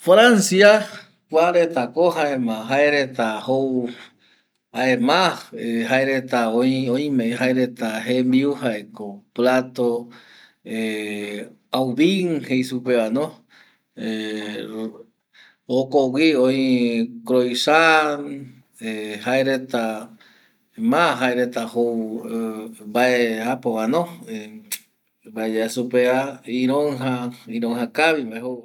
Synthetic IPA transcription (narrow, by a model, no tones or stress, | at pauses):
fɾansia | kʷaɾet̪akoɦaemãɦaeɾet̪ahow | aemãhehaeɾet̪aoĩõĩmehaeɾet̪aɦembiuhaekoplat̪o | e | awβiŋhejsupeanõ | e | okowiojkɾojsan | ehaeɾet̪a | mãɦaeɾet̪aho | mbaeapowãnõe | baed͡ʒeasupeaiɾoŋɦaiɾõŋɦakaβimbaeho